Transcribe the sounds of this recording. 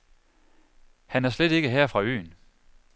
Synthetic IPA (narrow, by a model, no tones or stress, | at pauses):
hænæɐsled̥e̝ɡ̥əɦɛɐ̰fʁɑ̈ø̰ːn